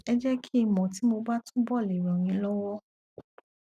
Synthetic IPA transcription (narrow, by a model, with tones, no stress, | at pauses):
ɛ˧d͡ʒɛ˦kʰi˦i˧mɔ̃˨ti˨˦mo˧ba˦tũ˦bɔ˦˨le˨ɾɔ̃˨ɾ̃ĩ˧lɔ˦wɔ˦